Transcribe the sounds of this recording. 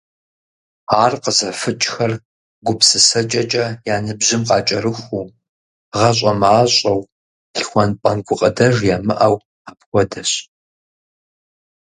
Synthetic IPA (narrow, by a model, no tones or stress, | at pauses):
aːrqəzɐfɨt͡ʃʼxɐr | ɡʷʊpsɨsɐt͡ʃʼɐt͡ʃʼɐjaːnɨbʑɪmqɑːt͡ʃʼɐɾɨxʷuː | ʁɐɕ̬ʼɐmaːɕʼɐw | ɬxʷɔnpʼɐnɡʷʊqʼədɐʒjaːmɨʔɐw | aːpxʷɔdɐɕ